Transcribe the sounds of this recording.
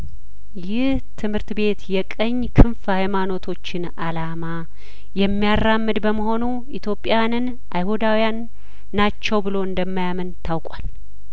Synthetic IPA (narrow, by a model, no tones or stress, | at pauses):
jɪht̪ʰɨmhɨɾt̪be̞t̪jɛkʼəɲːkʰɨnfhajmano̞t̪ʰo̞t͡ʃːɪn | alama | jɛmːijarːamːɨd̪bəməɦo̞nu | it̪ʰjo̞pʼːjanɨn | ʔajhud̪awijanː | at͡ʃːɛwbɨlo̞ɨnd̪əmːajamənt̪ʰawkʼal